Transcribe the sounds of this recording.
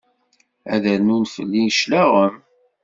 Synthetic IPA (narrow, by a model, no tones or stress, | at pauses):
æ̰ðəɾnunfə̰lːinʃlæʁəm